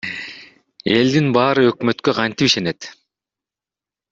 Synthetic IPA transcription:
e̞ld̪inbɑːɾɯø̞kmø̞t̪køqʰɑnt̪ipiʃe̞ne̞t̪

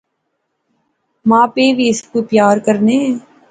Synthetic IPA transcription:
mãːpeːʋiɪskupjaːɾkəɾneː

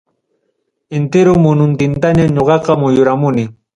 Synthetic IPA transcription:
ɪnt̪ɪɾʊmʊnʊnt̪ɪnt̪aɲaɲoɢɑqɑmʊjʊɾamʊnɪ

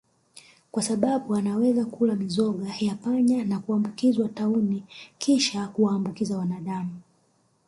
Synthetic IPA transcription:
kwasaɓaɓuanawɛzakulamizɔɠajapaɲanakuambukizwataunikiʃakuwaːmbukizawanaɗamu

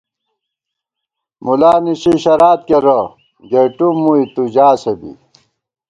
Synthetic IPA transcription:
mulaːniɕiɕɐɾaːt̪̚keɾɐ | ɡeʈumuit̪ud͡ʑaːsebḭ

